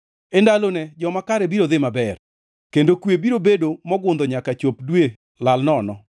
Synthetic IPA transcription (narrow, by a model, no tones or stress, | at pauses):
endalonɛd͡ʒɔmakaɾɛbiɾoðɪmabɛr | kendokwebiɾobedomɔɡʊnd̪ɔɲakat͡ʃopdwe | lalnɔnɔ